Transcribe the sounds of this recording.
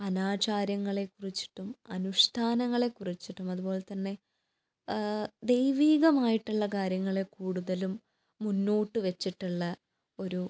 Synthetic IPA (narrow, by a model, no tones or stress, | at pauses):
ɐnaːt͡ɕaːɾjɐŋːɐɭe̞kurit͡ɕːi̥ʈːumɐnuʂʈʰaːnɐŋːɐɭe̞kːurit͡ɕːiʈːumɐðubo̞ːlet̪ɐnːe̞ | d̪e̞jʋiːɣɐmaːjiʈːuɭːɐkaːɾjɐŋːɐɭe̞kuːɽuðɐlumː | unːoːʈːɨʋet͡ɕːiʈːuɭːɐ | o̞ɾu